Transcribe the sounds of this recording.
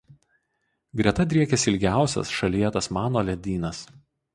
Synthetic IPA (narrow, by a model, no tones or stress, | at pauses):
ɡɾʲiɛt̪ɐd̪ʲɾʲiɛkʲɛsʲɪlʲɡʲæˑʊsʲɛ̰sʃɐlʲijɛt̪ɐsmɑːnoːlʲɛd̪ʲiːnɐs